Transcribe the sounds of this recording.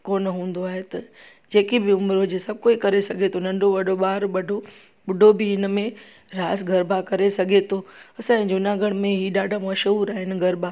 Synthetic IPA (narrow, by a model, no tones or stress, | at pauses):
koːnɦũːn̆d̪oaːɦet̪ɐ | d͡ʑeːkibɪʊmɾod͡ʑeːsɐb̚ʱkoːikɐɾesɐɡʱet̪ʰonɐ̃ɳɖʱoʋɐɖʱoɓaːɾɓɐɖʱo | ɓʊɖʱobʱɪɪnmẽ | ɾaːsɡʱɐɾbakɐɾesɐɡʱet̪ʰoɐsãːɪ̃d͡ʑʊnaːɡəɽ̃mẽɦiːɗaːɖʱamɐʃəuɾaːɦɪnɪ̆ɡʱɐɾbaː